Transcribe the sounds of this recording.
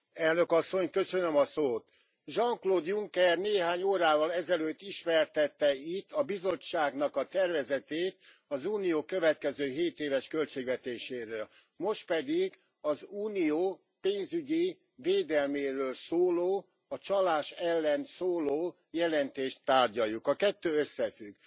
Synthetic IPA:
ɛlnø̞kɒsːo̞ɲkø̞sønømɒsoːt̪ | ʒɒŋkloːd̪juŋkɛrneːɦaːɲoːɾaːvɒlɛzɛløːt̪ːiʃmɛrt̪ɛt̪ːɛit̪ʰːɒbizo̞t͡ʃːaːɡn̪ɒkɒt̪ɛrvɛzɛt̪eːt̪ | ɒzuːnijoːkø̞vɛt̪̚kɛzøːɦeːt̪eːvɛʃkølt͡ʃeːɡvɛt̪eːʃeːɾøːl | mo̞ʃt̪̚pɛd̪iɡ | ɒzuːnijoː | peːnzyɟi | veːd̪ɛlmeːɾøːlsoːloː | ɒt͡ʃɒlaːʃɛlːɛnsoːloː | jɛlɛnt̪eːʃt̪ːaːrɟɒjːukɒkɛt̪ːøːøsːɛfyɡ

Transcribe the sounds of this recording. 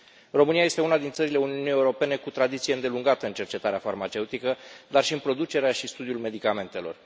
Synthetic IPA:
ro̞mɨniaje̞st̪eunad̪int̪səɾile̞uniunijeuɾo̞pe̞ne̞kut̪ɾad̪it̪sije̞ɨnd̪e̞luŋɡat̪əɨnt͡ʃe̞rt͡ʃe̞t̪aɾeafarmat͡ʃe̞ut̪ikəd̪arʃiɨnpɾo̞d̪ut͡ʃe̞ɾeaʃist̪ud̪iulme̞d̪ikame̞nt̪elo̞̰r

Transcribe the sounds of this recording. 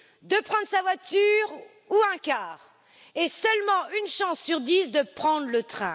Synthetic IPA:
d̪əpχɑ̃d̪ʁəsavwat̪yʁ | uɛ̃kʲaːʁ | esəlmɑ̃ʔynʃɑ̃sːyʁd̪isd̪əpχɑ̃d̪ʁlət̪χɛ̃

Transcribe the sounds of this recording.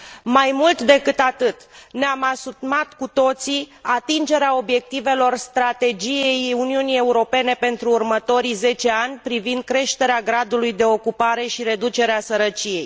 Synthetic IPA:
majmult̪d̪e̞kɨt̪at̪ɨt̪neamasut̪̚mat̪kut̪o̞t̪siat̪ind͡ʒe̞ɾeao̞bje̞k̚t̪ive̞lo̞rst̪ɾat̪e̞d͡ʒije̞juniunije̞uɾo̞pe̞ne̞pe̞nt̪ɾuːrmət̪o̞ɾize̞t͡ʃe̞anʲpɾivind̪̚kɾe̞ʃt̪e̞ɾeaɡɾad̪ulujd̪e̞o̞kupaɾe̞ʃiɾe̞d̪ut͡ʃe̞ɾeasəɾət͡ʃije̞j

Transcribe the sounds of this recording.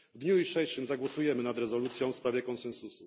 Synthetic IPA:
vd̪ɲuiʂɛjʂɘmzaɡwɔsujɛmɘnad̪ɾɛzɔlut̪sʲjɔ̃w̃fspɾavʲjɛkɔnsɛnsusu

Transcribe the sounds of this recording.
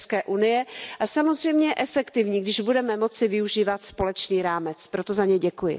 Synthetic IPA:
skɛːʔunɪjɛʔasamozr̝ɛjmɲɛʔɛfɛkt̪ɪvɲiːɡdɪʒbudɛmɛmo̞t͡sɪvɪuʒiːvat̪spo̞lɛt͡ʃniːɾaːmɛt͡spɾo̞t̪o̞zaɲɛjɟɛkujɪ̰

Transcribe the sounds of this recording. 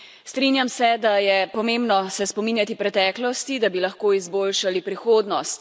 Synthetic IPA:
st̪ɾiːnjamsɛd̪ajɛpɔmembnɔsɛspɔminjat̪ipɾɛt̪ɛːklɔst̪id̪abilaxkoːizboːlʃalipɾixoːd̪nɔst̪

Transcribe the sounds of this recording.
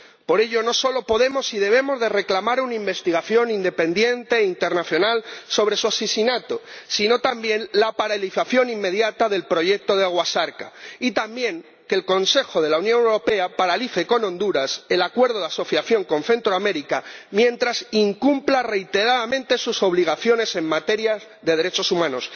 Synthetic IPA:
po̞ɾe̞ʎo̞no̞so̞lo̞po̞ðe̞mo̞siðe̞β̞e̞mo̞zðe̞re̞klamaɾunaimbe̞st̪iɣ̞aθjo̞nind̪e̞pe̞nd̪je̞nt̪e̞int̪e̞ɾnaθjo̞nalso̞β̞ɾe̞suasesinat̪osino̞t̪ambjẽ̞nlapaɾalifaθjo̞nimːe̞ðjat̪aðe̞lpɾo̞ʝe̞k̚t̪o̞ð̞eaɣwasaɾkait̪ambjẽ̞ŋ | ke̞lko̞nse̞xo̞ð̞e̞launjonewɾo̞pe̞apaɾaliθe̞ko̞nõ̞nd̪uɾase̞lakwe̞ɾð̞o̞ðaso̞θjaθjo̞ŋkõ̞nθe̞nt̪ɾoame̞ɾikamjẽ̞nt̪ɾasiŋkumplare̞jt̪e̞ɾaðamẽnt̪e̞suso̞β̞liɣ̞aθjo̞ne̞se̞ŋmat̪e̞ɾja | ðe̞ð̞e̞ɾe̞t͡ʃo̞sumãno̞s

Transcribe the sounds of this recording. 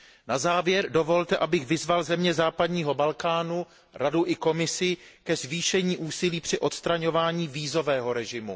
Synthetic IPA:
nazaːvjɛɾdo̞vo̞lt̪ɛʔabɪɣvɪzvalzɛmɲɛzaːpadɲiːɦo̞balkaːnu | ɾaduʔɪko̞mɪsɪ | kɛzviːʃɛɲiːʔuːsɪliːpr̥ɪʔo̞t̪st̪ɾaɲo̞vaːɲiːviːzo̞vɛːɦo̞ɾɛʒɪmṵ

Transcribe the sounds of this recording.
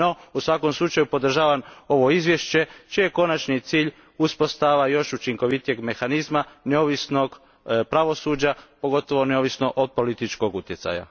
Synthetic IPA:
o̞usʋako̞mslˠut͡ʃajupo̞d̪ɾ̩ʒaːʋamo̞ʋo̞izʋjeʃt͡ɕe̞t͡ʃije̞ko̞nat͡ʃnit̪siːʎ | uspo̞st̪aʋajo̞ʃut͡ʃiŋko̞ʋit̪ije̞ɡme̞xanizmaneo̞ʋisno̞ɡ | pɾaʋo̞sud͡ʑapo̞ɡo̞t̪o̞ʋo̞neoʋisno̞ʔod̪̚po̞lit̪it͡ʃko̞ɡut̪je̞t̪sa̰ja̰

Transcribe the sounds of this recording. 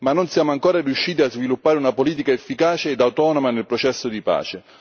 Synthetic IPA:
manːonsjaːmʊaŋkoːɾarijuʃːiːt̪̬iazvilupːaːɾeunapoliːt̪̬ikaefːikaːt͡ʃeːd̪awt̪ɔːnomanelpɾot͡ʃɛsːod̪ipa̰ːt͡ʃe

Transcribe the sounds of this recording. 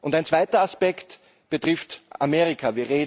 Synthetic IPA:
ʔʊ̃ntaɪnt͡sv̥aɪtɐaspɛkt | b̥ətʁ̥ɪftʔameːʁɪkʰaviːɐʁeːd

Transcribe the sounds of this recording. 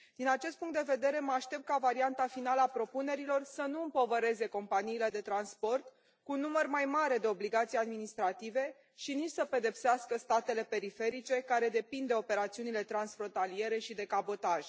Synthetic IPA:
d̪̥inat͡ʃe̞st̪puŋkt̪d̪e̞ve̞d̪e̞ɾe̞məaʃt̪e̞p̚t̪̚kavaɾiant̪afinaləapɾo̞pune̞ɾilo̞rsənuɨmpo̞vəɾe̞ze̞ko̞mpaniːle̞d̪e̞t̪ɾanspo̞rt̪ | kunːumərmajmaɾe̞d̪e̞o̞bliɡat̪sijead̪minist̪ɾat̪ive̞ | ʃinit͡ʃʲsəpe̞d̪e̞pseaskəst̪at̪e̞le̞pe̞ɾife̞ɾit͡ʃe̞kaɾe̞d̪e̞pind̪e̞o̞pe̞ɾat̪siunile̞t̪ɾansfɾo̞nt̪alie̞ɾe̞ʃid̪e̞kabo̞t̪aʒ̥

